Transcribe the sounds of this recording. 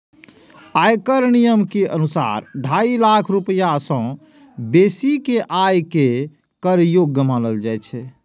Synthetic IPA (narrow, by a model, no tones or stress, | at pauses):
ajkəɾnijəmkeʔənusa̰ɾɖʱailakʰɾupjasə̃ | besikeʔajke | kəɾjoɡːəmaləld͡ʒajt͡ʃʰɛ